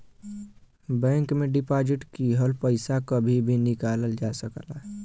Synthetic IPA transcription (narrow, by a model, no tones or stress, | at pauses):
bɛ̃ŋkmeɖipad͡ʒiʈkiɦəlpəɪsakəbʱibʱinikaləld͡ʒasəkəlaɦ